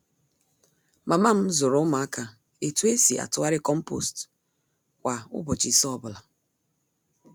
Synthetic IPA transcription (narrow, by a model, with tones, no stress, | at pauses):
ma˨ma˦m̩˦zʊ˨ɾʊ˨˦ʊ˦ma˨a˦ka˨ | e˨tu˦e˦si˨a̰˨tʊ˨˦a˦ɾɪ˦kɔ˦m̩˦po̰˨st | kʷa˨ʊ̰˦bɔ˨t͡ʃi˨sɔ˦˨bʊ˨la˨